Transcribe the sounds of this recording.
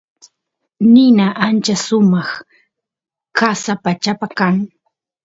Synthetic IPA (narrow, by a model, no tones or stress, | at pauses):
nɪnaʔant͡ʃasʊmɑχ | kasapat͡ʃapakaŋ